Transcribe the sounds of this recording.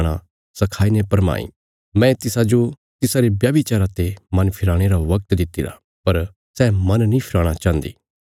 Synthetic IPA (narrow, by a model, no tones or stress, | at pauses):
ɽ̃a | sɐkʰaːinepɐɾma̰ːḭ̃ | mɛ̃ːt̪ɪsad͡ʒo | t̪ɪsaɾebjaːbit͡ʃaːɾat̪emɐnpʰɪɾaːɽ̃eɾaʋɐk̚t̪d̪ɪt̪ːiɾa̰ | pɐɾ | sɛːmɐnnĩpʰɪɾaːɽ̃at͡ʃãːnd̪ḭː